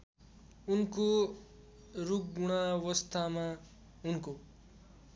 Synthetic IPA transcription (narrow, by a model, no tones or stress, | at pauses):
unko | ruk̚ɡuɽ̃awʌst̪ʰama | unko